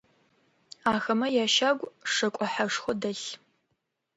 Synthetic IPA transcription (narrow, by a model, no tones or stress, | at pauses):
aːxɐmɐjaːʃaːɡʷʂɐkʷʼɔħaʂxʷɔdɐɬ